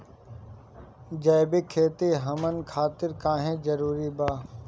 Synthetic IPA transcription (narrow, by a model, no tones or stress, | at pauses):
d͡ʒɐːjbeːkʰeːt̪eːɦəmənkʰaːt̪ɪɾkãːɦẽːd͡ʒəɾuːɾiːbaː